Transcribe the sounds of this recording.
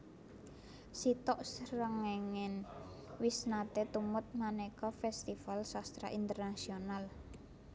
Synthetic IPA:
sit̪ɔʔsɾəŋɛŋɛn | wisnat̪et̪umʊt̪̚manɛkɔfɛst̪ifalsast̪ɾa̰ʔint̪ərnasional

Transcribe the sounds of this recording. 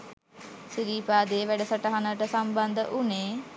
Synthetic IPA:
siɾiːpaːd̪eːʋæɖəsəʈaɦanəʈəsɐmband̪əʔuneː

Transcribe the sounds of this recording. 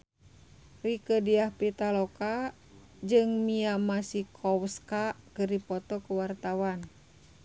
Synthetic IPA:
rikədiahpit̪alɔka | d͡ʒɨŋmiamasikʰɔwskakɨrdipɔt̪ɔkəwart̪awan

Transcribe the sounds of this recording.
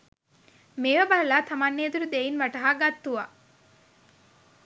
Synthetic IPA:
meːʋəbalɐlat̪ʰamanːeːd̪uɾud̪einʋaʈɐɦaɡat̪ːuʋa̰

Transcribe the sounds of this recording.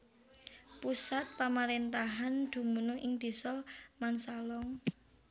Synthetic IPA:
pusat̪̚pamaɾent̪aɦand̪̥ṳmunʊŋʔɪŋd̪̥i̤sɔmansalɔŋ

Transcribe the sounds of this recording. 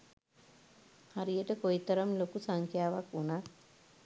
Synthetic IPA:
haɾijəʈəkoit̪ɐɾəmlokusaŋkʰjaːʋakunat̪

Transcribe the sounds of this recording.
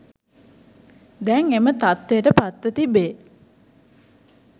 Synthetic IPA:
d̪ɛŋemət̪at̪ːejəʈəpat̪ːət̪ibe

